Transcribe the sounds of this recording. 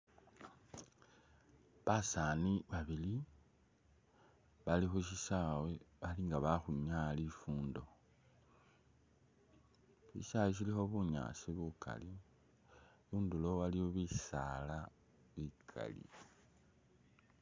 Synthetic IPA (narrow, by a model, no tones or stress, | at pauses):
βasaːniβaβili | βalixuʃisaweβaliŋɡaβaxuɲalifuːndo̞ | ʃḭsawes̬ilixo̞βuɲa̰ːsiβukʰa̰li | βuːndulo̞walioβisala | βikʰa̰lḭ